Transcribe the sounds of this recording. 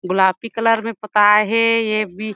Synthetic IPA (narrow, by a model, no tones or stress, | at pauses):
ɡʊlaːpikələɾmẽpət̪aɦɛjebʱi